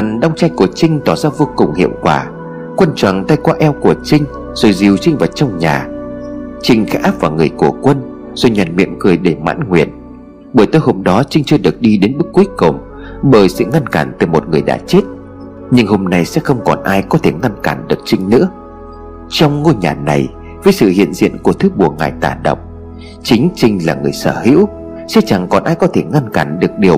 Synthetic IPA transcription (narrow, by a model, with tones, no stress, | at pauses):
a˨˩nɗa˧wŋ͡mt͡ɕa˧jku˧˩ət͡ɕï˧ŋ̟t̪ɔ˧˩zaː˧vo˧kʊ˨˩ŋ͡mhḭ˧˨əwŋ͡mkwaː˧˩ | kwə˧nt͡ɕwa̰˧˨ŋt̪a˧jkwaː˧ʔɛ˧wku˧˩ət͡ɕï˧ŋ̟ | z̥o˨˩jzi˨˩əwt͡ɕï˧ŋ̟vaː˨˩t̚t͡ɕɔ˧wŋ͡mɲaː˨˩ | t͡ɕï˧ŋ̟xaː˦˥ʔaː˦˥p̚vaː˨˩ŋɨ˨˩əjko˧˩kwə˧n | z̥o˨˩jɲa˨˩nmḭ˧˨ənkɨ˨˩əjɗe˧˩ma̰ː˧˥nŋwḭ˧˨ən | ɓəː˧˩jt̪o˧jho˧mɗɔ˨˦t͡ɕï˧ŋ̟t͡ɕɨ˧əɗɨ˨˩ək̚ɗi˧ɗe˨˦nɓɨ˦˥k̚ːwu˦ku˨˩ŋ͡m | ɓəː˧˩jsɨ̰˧˨ŋa˧nkaː˧˩nt̪ɨ˨˩jmo˨˩t̚ŋɨ˨˩əjɗa̰ː˧˥t͡ɕe˦˥t̚ | ɲɨ˧ŋho˧mna˧jsɛ̰˧˥xə˧wŋ͡mkɔ˨˩nʔaː˧jkɔ˨˦t̪ʰe˧˩ŋa˧nkaː˧˩nɗɨ˨˩ək̚t͡ɕï˧ŋ̟nɨ̰˧˥ə | t͡ɕɔ˧wŋ͡mŋo˧ɲaː˨˩na˨˩j | vəː˨˦jsɨ̰˧˨hḭ˧˨ənzḭ˧˨ənku˧˩ət̪ʰɨ˨˦ɓu˨˩əŋaː˨˩jt̪aː˧˩ɗə̰˧˨wŋ͡m̚ | t͡ɕï˨˦ŋ̟t͡ɕï˧ŋ̟laː˨˩ŋɨ˨˩əjsəː˧˩hḭ˧˥w | sɛ̰˧˥t͡ɕa˨˩ŋkɔ˨˩nʔaː˧jkɔ˨˦t̪ʰe˧˩ŋa˧nkaː˧˩nɗɨ˨˩ək̚ɗi˨˩əw